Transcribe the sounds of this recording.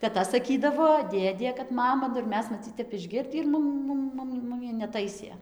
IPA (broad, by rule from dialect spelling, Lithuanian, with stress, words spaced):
tʲɛˈtɐ sɐˈkʲiːdɐʋoː ˈdʲeːdʲeː kɐt ˈmɑːmɐ nʊ ɪr ˈmʲɛs mɐˈt͡sʲiːt͡s ˈtʲɛp ɪʒʲˈɡʲɪrʲdʲiː ɪr ˈmʊm ˈmʊm ˈmʊm ˈmʊmʲɪ nʲɛˈtɐɪsʲeː